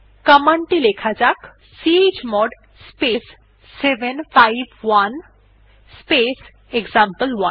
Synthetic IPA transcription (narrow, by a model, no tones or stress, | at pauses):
kəmaɳʈilekʰad͡ʒak | sied͡ʒmɔɖ | spesː | ebenfajbwan | spes | ekzampəlwan